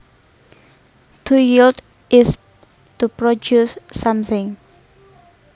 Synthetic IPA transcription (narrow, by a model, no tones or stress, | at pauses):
tʰujild | ʔɪs | tupɹɔd͡ʒusːãmθɪ̃ŋ